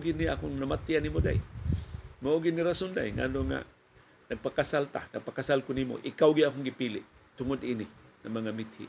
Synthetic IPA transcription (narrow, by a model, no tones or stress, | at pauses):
ɡɪnɪakʊŋnamat̪ɪanimod̪a̰j | maʔoɡɪd̪nɪɾasond̪a̰jŋa̰noŋa̰ | nɐɡ̚pakasalt̪a̰naɡ̚pakasalkʊnimo̰ʔɪkawɡɪakʊŋɡɪpiːlɪʔt̪ʊŋʊd̪ʔiːnɪŋaŋmaŋamɪt̪̚hɪ̰